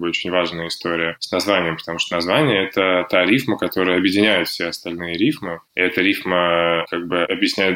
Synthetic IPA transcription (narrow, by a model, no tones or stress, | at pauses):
bɨo̞t͡ɕɪnʲvaʐnəjəɪst̪o̞ɾʲɪjəsnɐzvanʲɪjəmpət̪ɐmuʂt̪ənɐzvanʲɪjəɛt̪ət̪aɾʲifməkɐt̪o̞ɾɨjəɐbjɪdʲɪnʲæjʊt̪fʲsʲeɐst̪ɐlʲnɨjəɾʲifmɨɪ̰ɛt̪əɾʲifməkaɡ̚bɨɐbjɪsʲnʲæjʊt̪